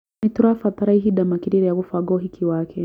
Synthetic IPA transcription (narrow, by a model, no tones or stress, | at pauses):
it̪uɾafat̪aɾaiɦiɗamakiɾiɾɛjaɣufaɡɔɦikʰiwakʰɛ